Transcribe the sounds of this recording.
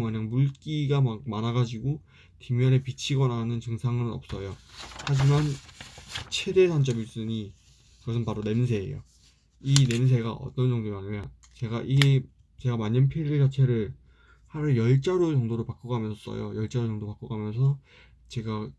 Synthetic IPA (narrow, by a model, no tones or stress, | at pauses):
mkɯɲaŋmuɭk͈iɡamamanaɡad͡ʑiɡo | kimjʌne̞pit͡ɕʰiɡʌnanɯnt͡ɕɯŋsʰaŋɯnnʌ̰p̚s͈ʌjohad͡ʑiman | t͡ɕʰe̞de̞sʰant͡ɕ͈ʌmiɭs͈ɯɲi | kɯɡʌsʰɯnpaɾone̞ms̬ʰe̞̰ːjo̰ | ine̞ns̬ʰe̞ɡaʔʌ̰t͈ʌnt͡ɕʌŋdoaɲɯa | t͡ɕe̞ɡaʔiɡe | t͡ɕe̞ɡamaɲɯnpʰiɾed͡ʑat͡ɕʰeɾɯɭ | haɾɯjʌɭt͡ɕ͈aɾot͡ɕʌŋdoɾɯɭpak͈ʌɡamjʌnsʰʌs͈ʌ̰jo̰jʌɭt͡ɕ͈aɾot͡ɕʌŋdopak͈ʌɡamjʌnsʰʌ | t͡ɕe̞ɡa